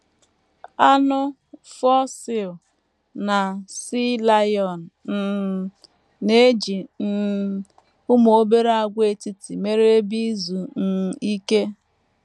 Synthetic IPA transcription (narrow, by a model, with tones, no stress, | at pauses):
a˦nʊ˦ | fɔ˦si˨l | na˨si˦la˦jɔ˨n˨n̩˨ | ne˦d͡ʒi˨n̩˨ | ʊ˦mo˦be˦ɾe˦a˨ɡʷe˨ti˦ti˨me˦ɾe˦e˦bi˦zu˨n̩˨i˦ke˦